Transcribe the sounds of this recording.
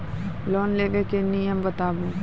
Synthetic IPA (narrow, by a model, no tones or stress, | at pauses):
lɔːnleːʋekenijəmbət̪aːbuː